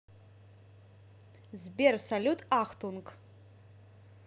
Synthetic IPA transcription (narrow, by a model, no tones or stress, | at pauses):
zbʲersalʲutʰʼaχtʰʼunkʼ